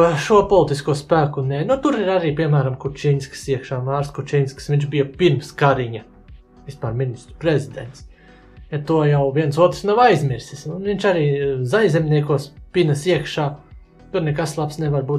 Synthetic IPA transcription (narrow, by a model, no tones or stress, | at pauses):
ʃuɔpɔlˠt̪iskuɔspæːkunɛnut̪uɾiɾaɾiːpʲiɛmæːɾamkut͡ʃinʲsksiɛkʃaːmaːɾskut͡ʃinʲsksʋʲiɲt͡ʃbijɐpiɾmskaɾiɲɐ | ʋispaːɾminist̪ɾupɾezʲid̪ɛ̰nt̪s | jat̪uɔjawʋiɛnsuɔt̪ɾsnawajzmʲiɾsisunʋiɲʲt͡ʃaɾiːzajzɛmʲniɛkuɔspʲinəsiɛkʃaː | t̪uɾnɛkaslˠapsnɛʋaɾbuː